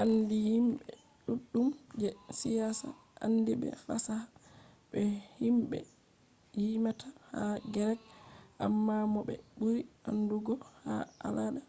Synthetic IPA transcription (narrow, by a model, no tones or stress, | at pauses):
ʔandihimɓɛ | ɗuɗːumd͡ʒɛsijasa̰ | ʔandibɛ̰fasaha | bɛhimɓɛ̰ | jimatʰahaɡɛɾɛk̚ʔa̰mːamɔɓɛ̰buɾiʔanduɡɔhaʔalaɗa